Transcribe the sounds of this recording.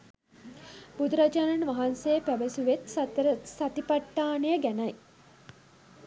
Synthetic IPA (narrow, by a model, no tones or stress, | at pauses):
bud̪uɾad͡ʒaːnanʋaɦansejəpæʋəsuʋet̪ɾsat̪ipaʈːaːnejəɡænɐj